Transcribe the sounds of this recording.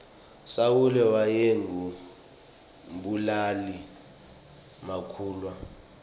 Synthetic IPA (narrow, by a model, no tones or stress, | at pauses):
sawulɛwajeŋu | mɓulali | makʰuːlwa